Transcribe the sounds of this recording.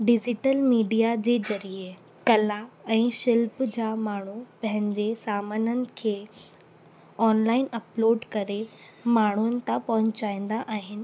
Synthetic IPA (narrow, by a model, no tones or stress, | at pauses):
ɖɪd͡ʑɪʈəlmiːɖijad͡ʑeːzɐɾie | kɐlaɛ̃ːʃɪlpd͡ʑaːmaːɳ̤upɐ̃ɦɪ̃ɲd͡ʑesaːmənənɪ̆kʰeː | ɔːnlaːɪnɐploːɖkɐɾe | maːɳ̤uənɪ̆t̪ɐpɐɦʊ̃ɲt͡ɕaːĩːn̆d̪aʔaːɦɪnɪ̆